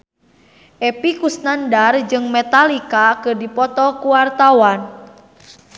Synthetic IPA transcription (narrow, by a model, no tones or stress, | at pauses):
ʔepikusnandard͡ʒɨŋmet̪alikakərdipɔt̪ɔkuwart̪awan